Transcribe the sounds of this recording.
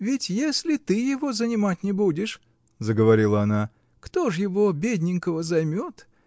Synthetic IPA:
vʲɪtʲjesʲlʲɪt̪ɨjɪvo̞zənʲɪmatʲnʲɪbudʲɪʂ | zəɡəvɐɾʲilˠəɐna | kt̪o̞ʐjɪvo̞bʲed̪ʲnʲɪŋkəvəzɐjmʲot̪

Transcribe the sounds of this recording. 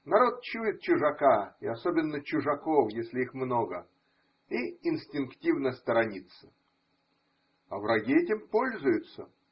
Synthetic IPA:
nɐɾo̞t̪̚t͡ɕuɪt̪̚t͡ɕʊʐɐkaɪɐsobʲɪnːət͡ɕʊʐɐko̞fjesʲlʲɪixmnoɡə | iɪnsʲtʲɪnktʲivnəst̪əɾɐnʲit̪sə̥ | ɐvɾɐɡʲiɛtʲɪmpo̞lʲzʊjʊt̪sə

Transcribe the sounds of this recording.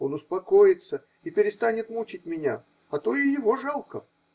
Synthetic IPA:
o̞nʊspɐkojɪt̪sə | ipʲɪɾʲɪst̪anʲɪt̪mut͡ɕɪt̚ʲmʲɪnʲa | ɐt̪o̞ɪjɪvo̞ʐalˠkə̰

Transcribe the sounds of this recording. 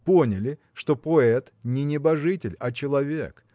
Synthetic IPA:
ponʲɪlʲɪ | ʂt̪o̞poɛt̪nʲɪnʲɪbɐʐɨtʲɪlʲɐt͡ɕɪlˠɐvʲḛk

